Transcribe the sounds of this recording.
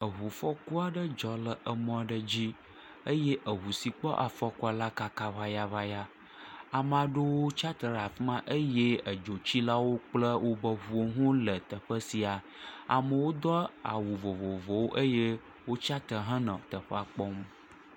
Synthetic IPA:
ə˨ɦu˨fɔ˦ku˦a˨ɖə˦d͡ʒɔ˨lə˨ʔə˨mɔ̃˦a˨ɖə˦d͡ʑi˦ | ə˦je˦ʔə˨ɦu˨si˨k͡pɔ˦ʔa˨fɔ˦ku˦a˨la˦ka˦ka˦va˦ja˦va˦ja˦ | a˨m˨a˨ɖo˦wo˦t͡ʃa˦t̪ə˨ɖa˨fi˦mã˦ʔə˦je˦ə˨d͡ʒo˨t͡ɕi˦la˦wo˦k͡plə˦wʔo˦bə˦ɦu˨o˦ɦõ˦lə˨t̪ə˨ɸə˦si˨a˨ | a̰˨mə˨wo˦d̪ɔ˦a̰˨wu˨vo˨vo˨vɔ˨wo˦ʔə˦je˦ | wo˦t͡ʃa˦t̪ə˨ɦə̃˦nã˨t̪ə˨ɸə˦a˨k͡pɔ˦m

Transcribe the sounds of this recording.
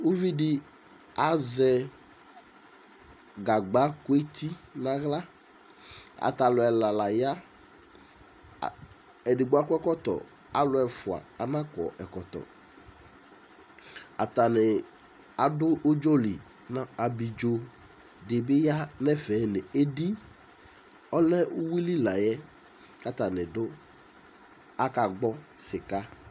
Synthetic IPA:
u˦vi˦dɪ˦ | a˨zɛ˦ | ɡa˨ɡ͡ba˦kʊ˦e˦t̪i˦nã˨ɣla˦ | a̰˨t̪a˨lʊ˨ɛ˨la˨la˨ja˦˨ | ɛ˨dɪ˨ɡ͡bʊ˦a˦kɛ˦kɔ˦t̪ɔ̰˨ | a˦lʊ˦ɛ˨fʊ˨a̰˨a˨nã˦kɔ̰˨ʔɛ˨kɔ˨t̪ɔ̰˨ | a˨t̪a˨nɪ˨ | a˨dʊ˦ʔʊ˦d͡ʒo˦lḭ˨ | na˦a˨bi˨d͡ʒo˨ | dɪ˨bɪ˦ja˦nɛ˦fɛ˨˦nɪ˨e˦di˦ | ɔ˦lɛ˦ʊ˦wi˦li˦la˨jɛ˦ | ka˦t̪a˨nɪ˨dʊ˦ | a˦ka˨ɡ͡bɔ˦sɪ˨ka˦

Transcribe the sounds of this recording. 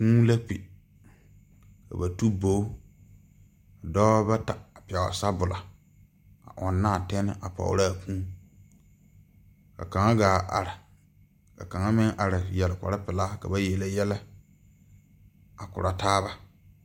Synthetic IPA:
pũː˦la˦pḭ˨ | ka̰˨ba˨tu˦bo˦ | a˨dɔː˦ba˦ta˨a˨pɪ˨ɛ˨wa̰˨sa˦bʊ˨la˨ | a̰˨ʔɔ˨nːaː˦˨tɛ˦nɪ̰˦ʔa˨pɔ̰˨ʊ̰˨ɾa˦˨pʰũː˦ | ka̰˨ka˨ŋa˦ɡaː˨ʔa̰˨ɾɪ˨ | ka̰˨ka˨ŋa˦mɪ˦ŋʔa˨ɾɪ˨jɛ˨lɪ˨kʷa̰˨ɾɪ˦pɪ˨laː˦ka̰˨ba˦jɛ˨la˦jɛ˦lɛ˦ | a˨kʊ̰˨ɾa˨taː˦βa˦

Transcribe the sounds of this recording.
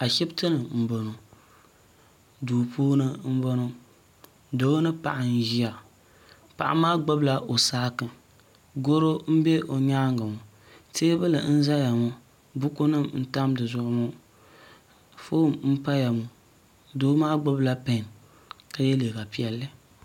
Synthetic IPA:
a˨ʃɛ˦btɨ˦nɨ˨m̩˨bo˨no˨ | doː˨poː˦nɨ˦m̩˦bo˦no˦ | do˨˦nɨ˦pa̰˨ʔa˨n˦ʒi˦a˨ | pa̰˨ʔa̰˦maː˦ɡ͡bo˦bla˨ʔo˨saː˦kɨ˦ | ɡo˦ɾo˦m̩˦bɛ˦ʔo˨ɲaː˦ŋɡa˨mu˨ | teː˦bɨ˦lɨ˨n̩˦za˦ja˨mo˦ | bʊ˦ko˦nɨ˦˨mn̩˦ta˦mdɨ˨zʊ˨ʔʊ˨˦mu˦ | fo˦˨mm̩˦pa˦ja˨mu˨ | do˦maː˦ɡ͡bo˦bla˦pe˨n | ka˦jɛ˦le˨ka˨pi˨ɛ˦lːɨ˦

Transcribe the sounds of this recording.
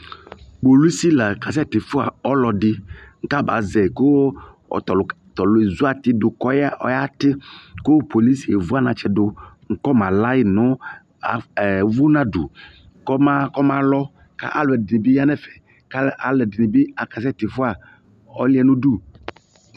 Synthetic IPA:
k͡po˨lu˦si˦la˨ka˨s̬ɛ˦˨t̪ɪ˨fʊ˦a̰˨ɔ˦lɔ˨dɪ˦ŋ̩˦ka˦ba̰˨zɛ˨ko˦˨ | ɔ˨ | t̪ɔ˨lʊ˨e˨zu˦a˨t̪ɪ˦dʊ˨kɔ˦ja˦ʔɔ̰˦ja˦tɪ˦kʊ˦po˨li˦si˨e˨vʊ˦a˦nã˨t͡ʃɛ˨dʊ˨ | ŋ̩˦kɔ˦mã˨la˦jɪ˦nʊ̃˦ | a˨vʊ˦nã˦du˨ | ŋ˦kɔ˦ma˦kɔ˦mã˦lɔ˦ | ka̰˦ʔa˨lʊ˨ɛ˨dɪ˨nĩ˨bɪ˦ja˦nɛ˦fɛ˨ | ka˦lʔa̰˨lɛ˨dɪ˨nĩ˨bɪ˦a˨ka˨sɛ˦˨t̪ɪ˨fʊ˦a˨ | ɔ˦lɪ˦ɛ˦nũ˦du˦˨

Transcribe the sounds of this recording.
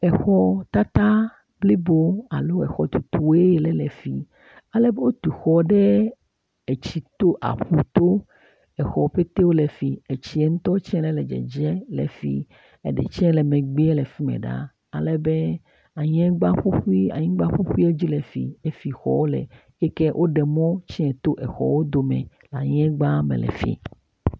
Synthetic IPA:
ɛ˨xɔ˦t̪a˦t̪a˦ | ble˦bo˦a̰˨lo˦ɛ˨xɔ˨t̪u˨t̪u˨e˦je˨lɛ˨lɛ˨fḭ˨ | a˨lɛ˦be˦wo˦t̪u˨xɔ˨ɖɛ˦ | ɛ˨t͡ɕi˨t̪o˦ʔa̰˨ɸu˨t̪o˦ | ɛ˨xɔ˨ɸe˦t̪e˦wo˦lɛ˨fi˨e˨t͡ɕi˦ɛ˦ŋ̩˦t̪ɔ˦t͡ʃɛ̃˦lɛ˦lɛ˨d͡ʒɛ̰˨d͡ʒɛ˦lɛ̰˨fḭ˦ | ḛ˨ɖɛ̰˨t͡ʃɛ̃˦lɛ˨mẽ˨ɡ͡bi˦ɛ˦lɛ˨fi˦mɛ̰˨ɖa̰˦ | a˨lɛ˦be˦ | a˨ɲɛ̃˦ɡ͡ba˦ɸu˦xu˦i˦a̰˨ɲĩ˦ɡ͡ba˦ɸu˦xu˦i˦e˦d͡ʑi˦lɛ˨fḭ˨e˦fi˨xɔ̰˨˦wo˦lɛ̰˨ | kɛ˦kɛ˦ʔo˦ɖɛ˨mɔ̃˦t͡ɕi˦ɛ̃˨t̪o˦ʔɛ̰˨xɔ̰˨wo˦d̪o˨˦mɛ̰̃˨ | la˨ɲɛ̃˦ɡ͡ba˦mḛ̃˨lɛ̰˨fḭ˨

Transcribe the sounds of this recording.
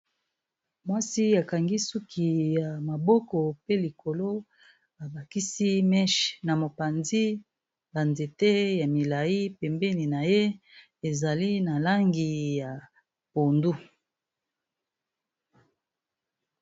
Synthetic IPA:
mwa˦si˦a˨ka˨ŋɡi˦su˦kʰi˨ja˨ma˨bɔ˦kɔ˨pe˦li˨ko˨lo˦ | a˨ba˨ki˦si˦mɛ˦ʃna˨mo˨pa˨nzi˦ | ba˨nze˨te˦ja˨mi˨la˨ji˦pɛ˨mbɛ˦ni˨na˨je˦ | e˨za˨li˦na˨la˦ŋɡi˨ja˨ | po˨ndu˦

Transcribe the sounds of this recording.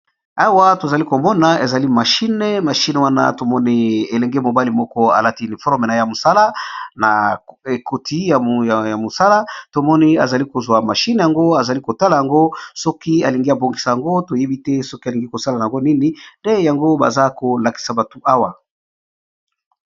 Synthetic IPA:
a˦wa˦to˨za˨li˦ko˨mɔ˦na˨e˨za˨li˦ma˨ʃi˦ne˨ma˨ʃi˦ne˨wa˦na̰˦to˨mɔ˦ni˦e˨lɛ˨ŋɡe˦mo˨ba˦li˨mɔ˦kɔ˦a̰˨la˦ti˦ni˨fɔ˦ʁme˨na˨ja˨mo˨sa˦la˦na˨e˨ko˨tʰi˦ja˨jja˨mo˨sa˦la˦to˨mɔ˦ni˦a̰˨za˨li˦ko˨zwa˨ma˨ʃi˦ne˨ja˨ŋɡo˦a˨za˨li˦ko˨ta˦la˨ja˨ŋɡo˦sɔ˦ki˦a˨li˨ŋɡi˦a˨bo˨ŋɡi˨sa˨ja˨ŋɡo˦to˨je˦bi˦tɛ˦sɔ˦ki˦a˨li˨ŋɡi˦ko˨sa˦la˨a˨a˨ŋɡo˦ni˦ni˦nde˦ja˨ŋɡo˦ba̰˨za˦ko˨la˨ki̥˨sa˨ba˨to˨ʔa˦wa˨

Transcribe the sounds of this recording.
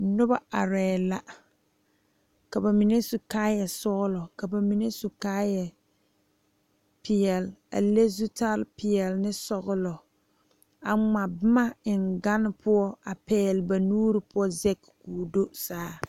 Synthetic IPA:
nʊ˦ba˦a˨ɾɛː˨la˨ | ka˨ba˨mi˨ne˦su˨kaː˦jɛ˨sɔ˦ɣʊ˦lɔ˨ka˨ba˨mi˨ne˦su˨kaː˦jɛ˨ | pɪ˨ɛ˨la̰˨le˦zu˦ta˦lpɪ˨ɛ˨lnɪ˦sɔ˨ɣʊ˦lɔ˨ | a˨ŋ͡ma˨bɪ˦ma˦ɪ˨ŋɡa˦nɪ˦pʰʊ˦ɔ˦a˨pɛː˦lɪ˨ba˨nuː˦ɾɪ˨pʊ˦ɔ˦zɛ˦kkuː˨do˦saː˦

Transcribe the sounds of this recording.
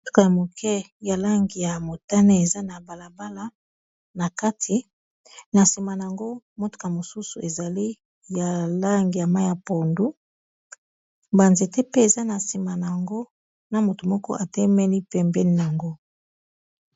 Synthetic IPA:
o˦tu̥˦ka˨ja˨mo˨kʰɛ˦ | ja˨la˦ŋɡi˨ja˨mo˨ta˦ne˦e˨za˦na˨ba˨la˨ba˦la˦ | na˨ka˦tʰi˨ | na˨si˨ma˨na˨a˨ŋɡo˦mo˦tu̥˦ka˨mo˨su˦su˨e˨za˨li˦ | ja˨la˦ŋɡi˨ja˨ma˦ja˨po˨ndu˦ | ba˨nze˨tɛ˦pe˦e˨za˦na˨si˨ma˨n˨a˨ŋɡo˦ | na˨mo˨to˨mɔ˦kɔ˦ʔa˨tɛ˦mɛ˦ni˦pɛ˨mbɛ˦ni˦n˨a˨ŋɡo˦

